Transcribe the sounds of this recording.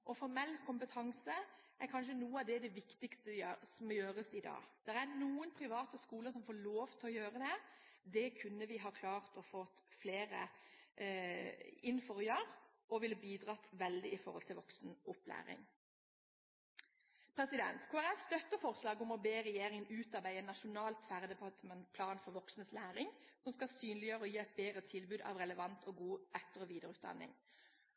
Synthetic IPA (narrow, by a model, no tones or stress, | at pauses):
ʔɔfɔɾmɛlːkʰʊmpət̪ʰɑŋsəʔæɾkʰɑnʃənuːəɑʋd̪ɛd̪ɛʋɪkt̪ɪkst̪əjsmɔjøːɾəsɪd̪ɑ̰ːd̪̥ɛʁænuːənpʰʁɪʋɑːt̪əskuːləsɔmfoːloːʋt̪ʰɔjøːɾəd̪ɛd̪ɛkʰʉnːəʋɪɦɑkʰlɑːʁt̪ɔfɔt̪ːfleːɾə̰ | ɪnːfɔʁjɑʁ | ɔʋɪlbiːd̪ʁɑt̪ʋɛld̪ɪɪfɔʁɔlt̪ɪlʋɔksn̩ʊplæ̰ːʁɪ̰ŋ | pʰɾɛsɪd̪ɛ̰nt̪kʰoːæʁɛfst̪œt̪ːəfɔʁslɑːɡʊmɔbeːʁɛjeːʁɪŋənʉːt̪ɑʁbæɪənnɑʃʊnɑːlt̪fæʁd̪əpɑt̪mɛnt̪pʰlɑːnfɔʁʋɔksənəslæːʁɪŋsɔmskɑsyːnlɪjøːʁəɔjiːæɪt̪̚beːd̪ʁət̪ʰɪlbʉːd̪ɑ̰ʋʁɛləʋɑnt̪ʰɔɡuːɛt̪ːəʁɔʋiːd̪əɾʉːt̪̚d̪ɑ̰nːɪ̰ŋ